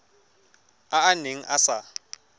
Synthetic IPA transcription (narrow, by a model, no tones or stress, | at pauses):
aːneŋ̩ʔasa